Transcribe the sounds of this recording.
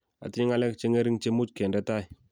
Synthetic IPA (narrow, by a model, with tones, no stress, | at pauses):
a̰˨ti˦ɲi˦ŋa˦le˦kt͡ʃe˦ŋe˦ɾi˦ŋt͡ʃe˦mu˦t͡ʃke˨nda˦ta˦j